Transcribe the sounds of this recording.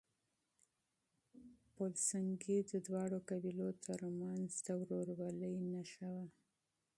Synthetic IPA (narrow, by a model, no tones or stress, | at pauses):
polsaŋɡid̪əd̪wɑɽokabilot̪ʰəɾmanzd̪awɾoɾwaləjnaʃawa